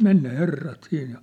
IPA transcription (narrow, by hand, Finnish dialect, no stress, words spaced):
men ne herːɑt siːn jɑ